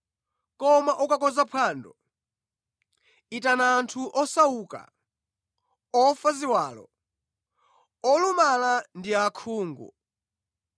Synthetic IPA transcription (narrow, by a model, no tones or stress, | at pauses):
kɔmaʔukakɔzapʰaːndɔ | itanaːntʰuʔɔsauka̰ | ɔfaziwaːlɔ̰ | ɔlumalandiakʰuːŋɡṵ